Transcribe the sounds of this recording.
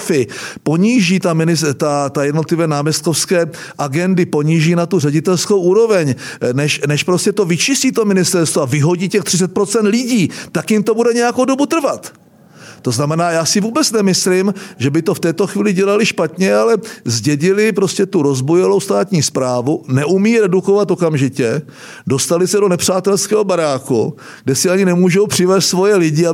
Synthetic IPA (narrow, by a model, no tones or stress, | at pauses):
fɪpo̞ɲiːʒiːt̪amɪnɪst̪at̪ajɛdnot̪lɪvɛːnaːmjɛst̪̚ko̞fskɛː | ʔaɡɛndɪpo̞ɲiːʒiːnat̪urɛɟɪt̪ɛlsko̞wʔuːɾo̞vɛɲnɛʃnɛʃpɾo̞scɛt̪ovɪt͡ʃɪsciːt̪o̞mɪnɪst̪ɛɾst̪voavɪɦo̞ɟiːcɛxt̪r̝̥ɪt͡sɛt̪̚pɾo̞t͡sɛnt̪lɪɟiːt̪akjɪmt̪o̞budɛɲɛjako̞wdo̞but̪r̩vat̪ | t̪ːo̞znamɛnaːjaːsɪvuːbɛt͡snɛmɪslɪmʒɛbɪt̪o̞ft̪ɛːt̪o̞xviːlɪɟɛlalɪʃpat̪ɲɛalɛzɟɛɟɪlɪpɾo̞scɛt̪uɾo̞zbojɛlo̞wst̪aːt̪ɲiːspɾaːvunɛʔumiːɾɛduko̞vat̪okamʒɪcɛ | do̞st̪alɪsɛdo̞nɛpr̝̥aːt̪ɛlskɛːɦobaɾaːku | ɡdɛsɪaɲɪnɛmuːʒowpr̝̥ɪvɛːst̪svo̞jɛlɪɟɪa